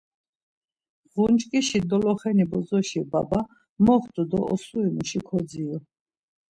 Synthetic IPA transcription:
ʁunt͡ʃʼkʼiʃid̪ɔlɔχɛnibɔzɔʃibaba | mɔχt̪ʼud̪ɔɔsuimuʃikʰɔd͡z̪iɔ

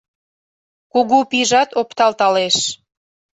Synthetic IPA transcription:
kuɣupiʒɑt̪opt̪ɑlt̪ɑleʃ

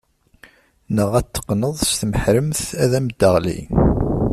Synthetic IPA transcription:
nəʁæt̪ːə̥qːnəðˤst̪məħɾəmθæðæməd̪ːəʁlḭ

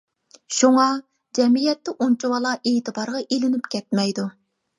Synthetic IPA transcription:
ʃuŋɑ | d͡ʒɛmijɛt̪ːɛʔunt͡ʃʰuwɑlˠɑʔeːt̪ɨbɑɾʁɑʔelɪnɪpkʲʰɛt̪mɛjd̪u

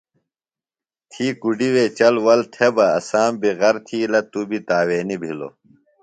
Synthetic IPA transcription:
t̪ʰiːkuɖiwet͡ɕɐlwɐlt̪ʰebɐɐ̰saːmbiɣɐɾt̪ʰiːlɐt̪ubit̪aːweːnibʱilo̰

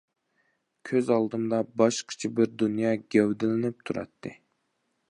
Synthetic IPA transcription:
kʲʰøzɑlˠd̪ɨmd̪ɑbɑʃqʰə̥t͡ʃʰibɪɾd̪unjɑːɡʲæwd̪ɪlɪnɪp̚t̪ʰuɾɑ̰t̪ʰːɨ

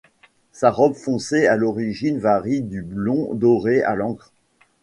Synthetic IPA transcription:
saʁɔbfɔ̃sealɔʁiʒinvaʁid̪yblɔ̃d̪ɔʁea̰lɑ̃kχ

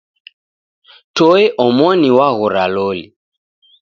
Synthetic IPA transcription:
tɔɛʔɔmɔniwaɣɔɾalɔlḭ

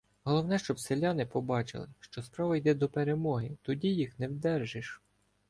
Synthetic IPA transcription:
ɦɔlˠɔwnɛʃt͡ʃɔbselʲːɑnɪpɔbɑt͡ʃɪ̰lˠɪ̰ʃt͡ʃɔspɾɑʋɐjd̪ɛd̪ɔpeɾemɔɦɪt̪ɔdʲijixnɛwd̪ɛrʒɪʃ

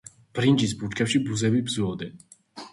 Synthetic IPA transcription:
b̥ɾind͡ʒis̬but͡ʃkʰɛpʃibuzɛbibzuɔd̪ɛn

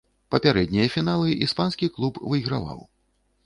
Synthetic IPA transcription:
pɐpʲaɾɛd̪ʲnʲijɐfʲinalˠɨʔispanskʲiklˠupvɨiɣɾava̰w

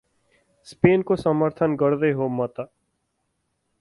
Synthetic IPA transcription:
speːnkosəməɾt̪ʰənɡəɾd̪eɦomət̪aː

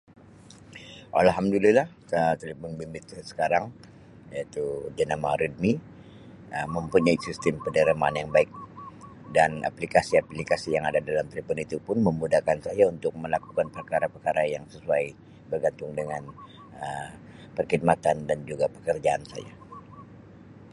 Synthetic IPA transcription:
ʔa̰lɦamdulilah | ət̪eləpʊnbimbɪt̪sə̥kaɾaŋ | jait̪ud͡ʒanamaɾid̚mi | əmːəmpuɲaisist̪ɪmpənəɾimaːnjaŋbaɪk̚ | dana̰plikasiaplikasijaŋadadalamt̪elefunit̪upʊnməmudakansajaunt̪ʊk̚məlakukanpərkaɾapərkaɾajaŋsəsuaj | bərɡant̪ʊŋdəŋan | ə | pərkid̚mat̪andand͡ʒuɡapə̥kərd͡ʒaansa̰ja̰

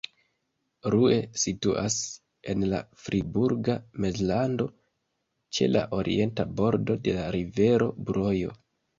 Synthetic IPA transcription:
ɾue̞situʔas | e̞nla̰fɾʔibuɾɡamezlando̞ | t͡ʃe̞̰la̰ʔo̞ɾʔḭʔe̞ntabo̞ɾdo̞de̞laɾive̞ɾo̞bɾo̞jo̞̰

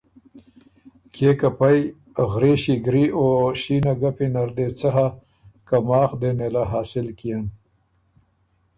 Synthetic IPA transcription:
kʰekapaj | ɣɾeɕiɡɾioɕiːnaɡapinaɾd̪et͡saɦa | kamɑːxd̪enelaɦaːsɪlkijan

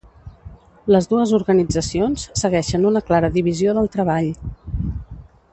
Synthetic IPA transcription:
ləzðuəzuɾɣənid͡zəsionssəɣɛʃənunəklaɾəðiβizioðəlˠt̪ɾəβaʎ

